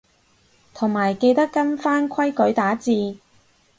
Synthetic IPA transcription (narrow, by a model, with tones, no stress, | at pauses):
t̪ʰʊ˨˩ŋmaː˨˩jke˧jt̪ɐ˥kːɐ˥nfaː˥nkʰɐ˥jkɵ˨˥ɥt̪aː˨˥t͡siː˧